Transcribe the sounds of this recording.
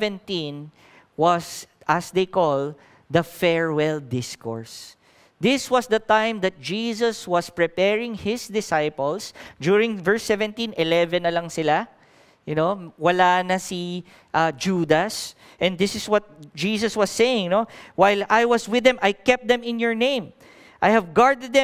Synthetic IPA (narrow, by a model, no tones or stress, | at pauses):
vɛ̃nt̪ĩn | wɐs | ʔɐsd̪ejkɔl | d̪ɐfɛɹwɛld̪ɪskɔɹs | d̪ɪswʌsd̪ɐt̪ãjmd̪ɐt̪̚d͡ʒiːsɐswɐspɹɪpɛɹɪ̃ŋhɪsd̪ɪsajpɔlsd͡ʒuːɹɪ̃ŋvɛɹsːɛvɛ̃nt̪ĩnʔɪlɛvɛ̃nːɐlɐŋsɪla | jʊnowɐlanɐsi | ʔad͡ʒuːd̪ɐs | ʔɛ̃nd̪ɪsɪswɔt̪̚d͡ʒiːsɐswɔsːejɪ̃ŋnowajlajwɐswɪðɛ̃mʔajkɛp̚d̪ɛ̃mɪ̃njɔɹnẽj̃m | ʔajhɐvɡaɹd̪ɛd̪̚ːɛ̃